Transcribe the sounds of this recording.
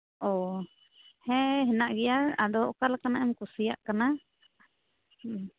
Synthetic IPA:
ɔ | hɛ̃ɦɛnaʔɡɛjaɾad̪ɔʔkalakanaʔɛmkusija̰ʔkana

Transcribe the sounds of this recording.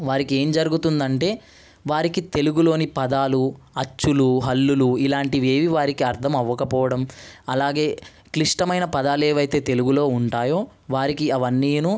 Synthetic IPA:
ʋaːɾikie̞ːmd͡ʒɐɾuɡut̪und̪ɐɳʈe̞ː | ʋaːɾikit̪e̞luɡulo̞ːnipɐd̪aːlu | ɐt͡ʃːuluɦɐlːuluilaːɳʈiʋe̞ːʋiʋaːɾikiɐɾt̪ʰɐmɐʋːɐkɐpɔːʋɐɽɐmɐlaːɡe̞ː | kliʂʈɐmɐjnɐpɐd̪aːleːʋɐjt̪e̞ːt̪e̞luɡulo̞ːuɳʈaːjo̞ː | ʋaːɾikiɐʋɐnːiːnu

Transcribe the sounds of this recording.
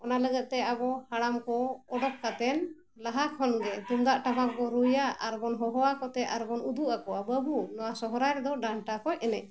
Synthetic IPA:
ɔnaləɡət̪̚ˀt̪ɛabɔhaɽamkɔɔɖɔk̚kat̪ɛn | laɦakʰɔnɡɛt̪umd̪aʔʈapakɡɔɾujaʔaɾbɔnɦɔɦɔwakɔt̪ɛaɾbɔnud̪uʔakɔabəbunɔwasɔɦɔɾajɾd̪ɔɖaɳʈakɔjɛnɛ

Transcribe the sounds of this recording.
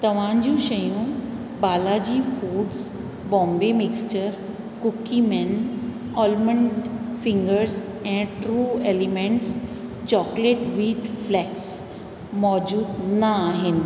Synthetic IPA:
t̪əʋ̤ãɲd͡ʑũɕəjũ | balad͡ʑiːfuːɖs | bɔ̃mbemikst͡ɕəɾ | kukːimɛn | ɔlməɳɖfĩŋɡəɾs | ɛ̃ɳʈɾuːelimẽɳʈst͡ɕɔkleʈʋiːʈflɛks | mɔd͡ʑuːd̪naːɦɪn

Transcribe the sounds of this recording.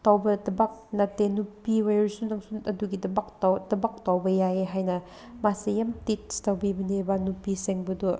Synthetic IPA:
tawbɐdɐbak̚nɐtːenupiwajɾsunaŋsunɐduɡidɐbak̚tdɐbak̚tawbɐjajeɦajnɐ | masejamtit̚stawbibɐnebanupiseŋbɐdu

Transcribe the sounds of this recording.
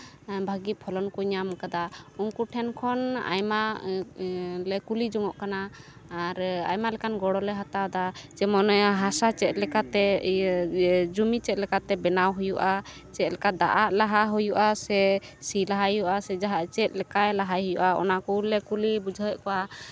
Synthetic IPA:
bʱaɡit̪̚pʰɔlɔnkɔɲamkad̪auŋkuʈʰɛnkʰɔna̰jma | lɛkulid͡ʒɔŋɔʔkanaː | ɾa̰jmalɛkanɡɔɽɔlɛɦat̪awd̪at͡ʃɛmɔnɔɦasat͡ʃɛt̪̚lɛkat̪ɛ | d͡ʒumit͡ʃɛt̪̚lɛkat̪ɛbɛnawɦujuʔa | t͡ʃɛt̪̚lɛkad̪aʔaʔlaɦaɦujuʔasɛ | silaɦajuʔasɛd͡ʒaɦaʔt͡ʃɛt̪̚lɛkajlaɦajɦujuʔaɔ̰nakulɛkulibud͡ʒʱəʔkɔʔa

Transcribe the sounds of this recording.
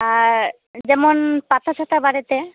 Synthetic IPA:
aɾ | d͡ʑɛmonpat̪ʰaʃʰat̪ʰabaɾit̪e

